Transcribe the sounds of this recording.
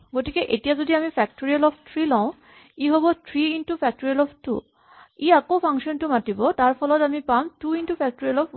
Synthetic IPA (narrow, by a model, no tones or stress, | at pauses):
ɡotikeʔetiazod̪iamifɛk̚ʈoɹialɔbt̪ʰɹilɔʊ̃ | iɦɔbɔt̪ʰɹiinʈufʰɛk̚ʈoɹialɔftṵ | iakopʰaŋʃɔnʈumaʈibɔtaɹpʰɔlɔt̪amipamtuinʈupɛk̚ʈoɾialɔp